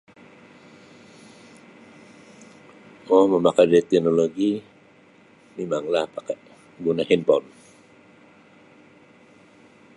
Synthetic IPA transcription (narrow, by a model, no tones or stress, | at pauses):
ɔhməmakadaɾit̪ɛnoloɡi | mimaŋlahpakaʔ | ɡunahinpɔn